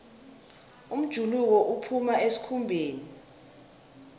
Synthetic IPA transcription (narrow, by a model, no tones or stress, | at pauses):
um̩d̥ʒ̥ʱuluk̬ɔʔupʰumaʔesi̥kʰumbʱeːni